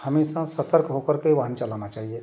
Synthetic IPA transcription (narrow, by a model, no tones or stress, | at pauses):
hɐmisãsɐt̪əɾkɦokəɾkiʋaɦənt͡ʃɐlaːnat͡ʃaːɦie